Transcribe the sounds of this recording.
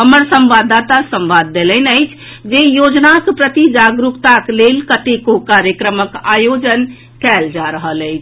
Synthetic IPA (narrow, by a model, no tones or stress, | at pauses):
ɦəməɾsə̃mbad̪at̪asə̃mʋad̪ːelənəɪt͡ʃʰ | d͡ʒejod͡ʒnakpɾət̪id͡ʒaɡɾukt̪aklelkət̪ekokaɾjəkɾəməkajod͡ʒən | kɛld͡ʒaɾəɦələjt͡ʃʰ